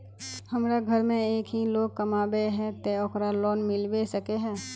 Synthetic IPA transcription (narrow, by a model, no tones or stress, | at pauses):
hɐmɾaɡʱɐɾmẽeːkɦiloːɡ̚kɐmaːbeɦɛ̃t̪eɔkɾalɔːnmɪlbesəkeɦɛː